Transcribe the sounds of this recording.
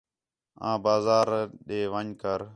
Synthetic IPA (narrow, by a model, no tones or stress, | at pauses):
ã̰ːbaːzaːɾɗeːʋãːɲkəɾ